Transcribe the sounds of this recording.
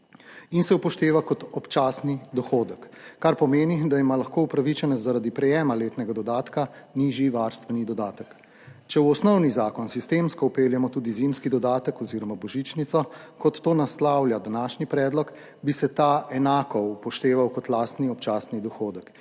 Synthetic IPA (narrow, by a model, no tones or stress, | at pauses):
insɛupɔʃt̪eːʋakɔt̪ɔpt͡ʃaːsnid̪ɔxoːd̪əkːaɾpɔmeːnid̪aimalaxkoːupɾaʋit͡ʃɛnɛzːaɾad̪ipɾɛjɛːmaleːt̪nɛɡad̪ɔd̪aːt̪kaniːʒjiʋaːɾst̪ʋɛnid̪ɔd̪aːt̪ək | t͡ʃɛwɔsnɔwnizaːkɔnsist̪emskɔupeːljɛmɔt̪uːd̪izimskid̪ɔd̪aːt̪əkɔziːɾɔmabɔʒit͡ʃnit̪sɔkɔt̪ːoːnaslawljad̪anaːʃnipɾɛːd̪lɔk | bisɛt̪aʔɛnaːkɔupɔʃt̪eːʋawkɔt̪laːst̪niɔpt͡ʃaːsnid̪ɔxoːd̪ək